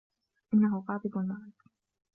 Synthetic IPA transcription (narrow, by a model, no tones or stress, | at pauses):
ʔɪnːaɦʊɣɑːd̪ˤɨbalmaʕɪ